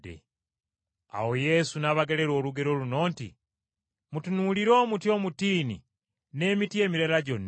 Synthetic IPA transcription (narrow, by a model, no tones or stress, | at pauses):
ḛ | a̰wo̞je̞sunaβaɡe̞le̞ɾoːluɡe̞ɾo̞luno̞ːntḭ | mutunuliɾo̞ːmutjo̞ːmutiːnḭ | ne̞ːmitie̞ːmiɾelaɟo̞nː